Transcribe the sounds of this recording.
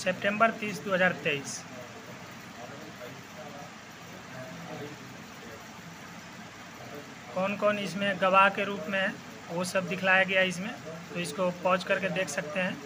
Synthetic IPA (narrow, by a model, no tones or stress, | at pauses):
seːpʈẽmbəɾt̪iːsd̪oːɦəzaːɾt̪eis | kɔːnkɔːnɪs̬mẽɡəʋaɦkeɾuːpmẽɦɛ | ʋosəbd̪ɪkʰlajaɡɐjaɪs̬mẽt̪oɪskopɔɦt͡ʃkəɾked̪eːkʰsɐk̚t̪eɦɛ̃ː